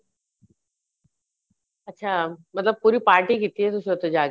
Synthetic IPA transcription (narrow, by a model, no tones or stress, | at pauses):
ɐtːɕʰaːmɐt̪ləb̚puːɾipaːɾʈikit̪iɦɛt̪ʊsot̪ed͡ʑaːɡ